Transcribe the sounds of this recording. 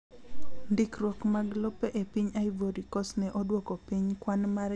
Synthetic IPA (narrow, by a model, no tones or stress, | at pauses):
ndɪkrwɔkmaɡlopeʔepiɲaɪvoɾikɔsnɛʔɔdwɔkɔpiɲkwanmaɾ